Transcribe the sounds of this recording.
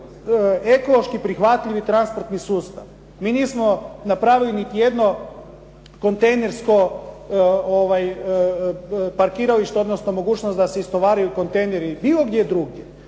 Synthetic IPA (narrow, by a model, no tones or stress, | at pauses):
eko̞lˠo̞ʃkipɾixʋat̪ʎiʋit̪ɾanspo̞ɾt̪nisuːst̪a̰ʋ | miːniːsmo̞napɾaːʋilinit̪ijed̪no̞ | ko̞nt̪ejne̞ɾsko̞ | oʋaj | paɾkiːɾaliʃt̪eo̞d̪nosno̞mo̞ɡuːt͡ʃnost̪d̪aseist̪oʋaːɾajuko̞nt̪e̞jneɾibiːlˠo̞ɡd̪ʲjed̪ɾuɡje